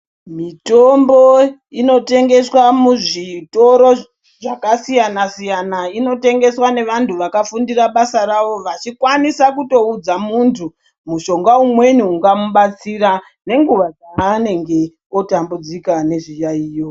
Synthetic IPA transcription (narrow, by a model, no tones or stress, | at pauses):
mitombo̞ino̞te̞ŋɡe̞swamuʐito̞ɾo̞ | ʐakasijanasijanaino̞te̞ŋɡe̞swane̞ʋantuʋakafundiraɓasaɾaʋo̞ʋat͡ʃikwanisakuto̞ud͡zamuntʰu | muʃo̞ŋɡaumwe̞niuŋɡamuɓat͡siɾa | ne̞ŋɡuʋad͡zaane̞ŋɡe̞ | otambud͡zikane̞ʐijaiːjo